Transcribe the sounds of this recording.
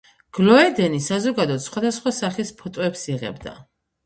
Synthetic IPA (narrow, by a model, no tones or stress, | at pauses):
ɡ̥lɔɛd̪ɛnisazɔɡad̪ɔt̪sχwad̪asχwasaχispʰɔt̪ʼɔɛpsiʁɛ̰bd̪a̰